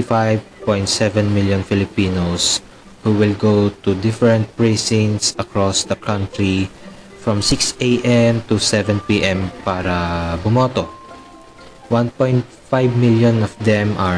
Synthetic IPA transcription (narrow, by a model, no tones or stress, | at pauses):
ɪfajvpɔ̃jnt̪̚sɛvɛ̃nmɪljɔ̃nfɪlɪpiːnos | huwɪlɡowt̪ud̪ɪfɛɹɛ̃nt̪̚pɹesɪ̃ŋsɐkɹɔsd̪ɐkʰãnt̪ɹi | fɹɔ̃msɪksejʔɛmt̪usɛvɛ̃npiʔɛ̃mpaːɾɐbʊmoːt̪o | wãnpɔ̃jnt̪̚fajvmɪljɔ̃nɔfd̪ɛmʔɐ